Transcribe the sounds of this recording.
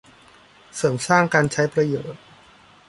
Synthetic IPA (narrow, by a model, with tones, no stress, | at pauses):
sɤː˩˦msaː˥˩ŋkaː˧nt͡ɕʰa˦˥jpɾa˧joː˨˩t̪̚